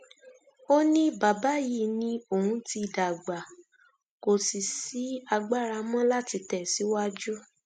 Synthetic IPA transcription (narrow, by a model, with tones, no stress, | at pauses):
o˦nĩ˦ba˨ba˨˦ji˦˨nĩ˧˦o˨hũ˨˦ti˧i˨da˨ɡ͡ba˨ | ko˨si˨si˨˦a˧ɡ͡ba˦˨ɾa˧mɔ̃˦la˦ti˧tɛ˨si˨˦wa˦d͡ʒu˦